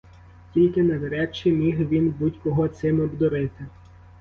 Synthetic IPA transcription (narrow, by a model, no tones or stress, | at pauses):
tʲilʲkɪnɐʋeɾɛt͡ʃːimʲiɦʋʲinbutʲkɔɦɔt̪sɪmɔbd̪ɔɾɪt̪ɪ